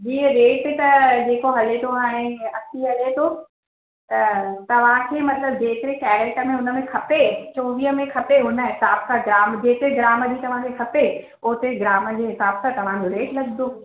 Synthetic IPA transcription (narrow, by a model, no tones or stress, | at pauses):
d͡ʑiːɾeːʈt̪ɐd͡ʑeːkoɦɐlet̪ʰoaːɦɪ̃ɐsiɦɐlet̪ʰo | t̪ɐt̪ɐʋ̤ãkʰeːmɐt̪ləb̚d͡ʑeːk̪ɪɾekɛːɾəʈəmẽʊnə̆mẽkʰɐpet͡ɕoːʋiːɦəmẽkʰɐpeɦʊnə̆ɦɪsaːbkʰãɡɾaːmd͡ʑeːk̪ɪɾeɡɾaːməd͡ʑiːt̪ɐʋ̤ãkʰekʰɐpe | ʊɦt̪eɡɾaːmə̆d͡ʑeːɦɪsaːbsʰãt̪ɐʋ̤ãd͡ʑoɾeːʈlɐɡd̪oː